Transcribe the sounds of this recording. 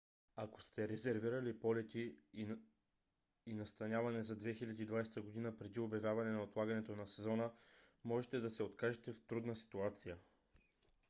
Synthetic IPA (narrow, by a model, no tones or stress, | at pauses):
ako̥st̪ɛɾɛzɛɾviɾɐlipɔlɛt̪i | nɐst̪ɐnʲjavɐnɛzɐd̪vɛxilʲɐd̪iːd̪vajst̪əɡod̪inəpɾɛd̪iobjɐvʲjavɐnɛnɐot̪lˠaɡɐnɛt̪onɐsɛzɔnəmɔʒɛt̪ɛd̪ɐsɛot̪kaʒɛt̪ɛft̪ɾud̪nəsi̥t̪uat̪sijə